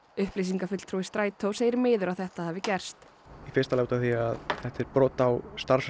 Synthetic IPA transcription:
ʏhplis̬iŋkafʏt̪l̥t̪ʰɾuːɪst̪ɾaːjt̪ʰowseːjɾɪɾmɪːðʏɾawθɛht̪aðhavɪcɛr̥st̪ | ifɪɾ̥t̪alawt̪aθiaðθɛht̪ɛɾpɾɔːt̪awst̪aɾ̥s

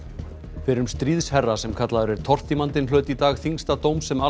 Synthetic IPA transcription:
fɪɾʏmst̪ɾiːðshɛrːasɛmkʰat̪laðʏɾɛɾ̥t̪ʰɔr̥t̪imant̪ɪnlœːt̪it̪aːɣθiŋst̪at̪oːwmsɛma

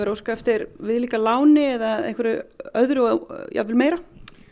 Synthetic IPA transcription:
ɛɾowskaɛft̪ɪɾvɪðliːkalaːwnɪɛðaḛjhkvʏɾʏœðɾʏja̰vɪlmeːjɾa

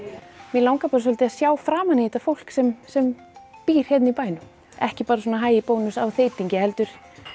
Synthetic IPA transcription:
mɛlaːwŋkapaːɾasœlt̪ɪaðsjaːwfɾaːmaniht̪afowl̥ksɛmsɛm | piːɾ̥hɛjt̪nipaːjnʏ | ɛ̰hcɪpaːɾasɔːnaɦaːjɪpoːwnʏsawθeːjt̪iɲcɪɛlt̪ʏɾ̥

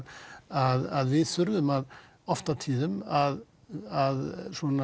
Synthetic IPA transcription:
aðaðvɪθʏɾvʏmað | ɔft̪at̪ʰiːðʏmað | aðsɔna

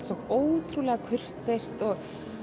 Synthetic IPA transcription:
t̪sɔoːwt̪ʰɾulɛɣakʰʏr̥t̪ejst̪ɔɣ

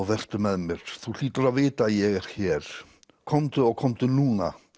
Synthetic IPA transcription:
vɛr̥t̪ʏmɛðmɪɾ̥θul̥iːt̪ʏɾaðveːt̪ajɛɣɾ̥çɛːɾ̥ | kʰɔmt̪ʏɔɣkʰɔmt̪ʏnuːna̰

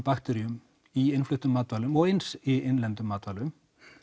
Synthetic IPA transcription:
pakt̪ɛɾiʏm | iɪnflʏht̪ʏmːaːt̪vaːlʏmɔɣensienlɛnt̪ʏmːaːt̪vaːlʏm

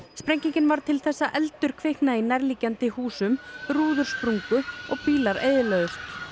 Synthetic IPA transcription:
spɾɛɲciɲcɪnvaɾ̥t̪ʰɪlθɛsːaʔɛlt̪ʏɾ̥kʰvɪhknaðinɛɾliːcant̪ɪhuːsʏmruːðʏɾ̥spɾuŋkʏɔɣpiːlaɾḛːjðɪlœːðʏst̪

